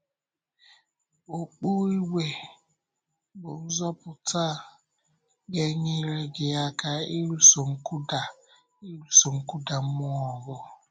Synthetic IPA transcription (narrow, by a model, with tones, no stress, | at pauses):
o˨k͡pu˦i˦we˨ | ɡ͡bʊ˨n̩˦zɔ˦pʊ˨ta˦˨ | ɡe˦ɲɪ˦ɾe˦ɡɪ˨ja˦ka˦i˦ɾu˦so˨ŋ̩˦ku˦da˨ | i˦ɾu˦so˨ŋ̩˦ku˦da˨m̩˦mʊ˦ɔ˨ɡɔ˦